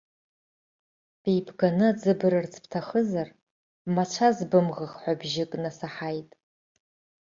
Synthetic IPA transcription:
b̥ejbʰɡanɨd͡zɨbɨɾɨrt͡sʰpʰtʰaχəzar | mat͡ʃʷʰazbɨmʁaχħʷabʒɪkʼnasaħajtʼ

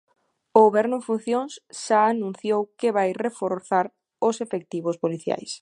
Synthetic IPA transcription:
oɣoβɛɾnʊẽŋfun̟θjõŋsʃaːnũn̟θjowkɪβajrefoɾθaɾ | ʊsefek̚t̪iβ̞ʊspoliθja̰js

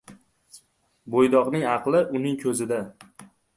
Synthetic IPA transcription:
bojd̪ɒqnɪŋɑqlˠɪʔʊnɪŋkʲʰɵzɪd̪a

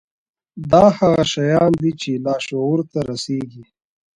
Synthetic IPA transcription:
d̪ɑːhaɣaʃajɑːnd̪it͡ʃelɑːʃouɾt̪aɾaseːɡi

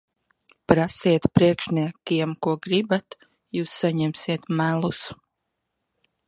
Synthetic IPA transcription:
pɾasiɛt̪pɾiɛkʃnʲiɛkiɛmkuɔɡɾibat̪ | juːsːaɲɛmsiɛt̪mælˠus

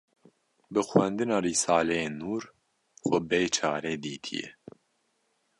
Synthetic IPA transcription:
bɨxwɛnd̪ɨnɑːɾiːsaːlɛjeːnːuːɾ | xɛbejt͡ʃʰa̰ːɾeːd̪iːt̪ʰḭjɛ̰

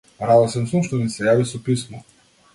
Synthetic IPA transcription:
ɾalasɛnsumʃt̪ɔnisɛjavisɔpismɔ

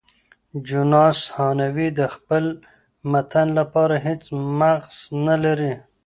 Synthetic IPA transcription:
d͡ʒunɑshɑnawid̪əxpəl | mat̪ʰanlapɑɾaɦet͡smaɣz̥nalaɾi

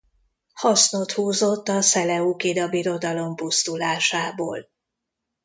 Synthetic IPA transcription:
hɒsno̞t̪huːzo̞t̪ːɒsɛlɛukid̪ɒbiɾo̞d̪ɒlo̞mpust̪ulaːʃaːbo̰ːl

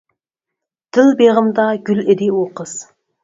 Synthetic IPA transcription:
d̪̥ɪlˠbeʁəmd̪ɑɡʲʏlɪd̪ewoqəz̥

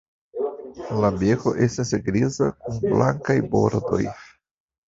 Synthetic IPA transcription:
labe̞koʔe̞stasɡɾiza̰k̚unbla̰ŋkajbo̞̰ɾdo̞̰j

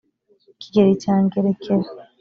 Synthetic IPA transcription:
ki̥ɡeɾitaːŋɡeɾekʰeɾa

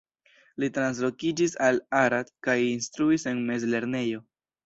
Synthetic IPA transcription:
litɾans̬lo̞kid͡ʒisalaɾadkajinstɾuise̞nme̞zle̞ɾne̞jo̞

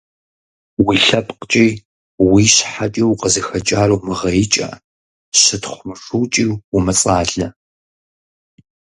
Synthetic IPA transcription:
wiɬɐpʼqt͡ʃʼiː | wiːɕħat͡ʃʼiwqəzɨxɐt͡ʃʼaːrɐwmɨʁɐjɪt͡ʃʼɐ̰ | ɕɪtʰχʷʊmɨʂuːt͡ʃʼiːwwʊmɐt͡sʼaːɮɐ

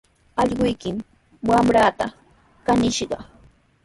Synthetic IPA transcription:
ɑʎɢʊjkɪm | wamɾat̪a | kanɪʃɢɑ̰

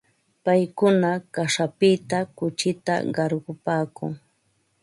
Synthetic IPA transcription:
pajkʊnakaʂapɪt̪akʊt͡ʃɪt̪a̰ɢɑɾɢʊpaːkʊ̰ŋ

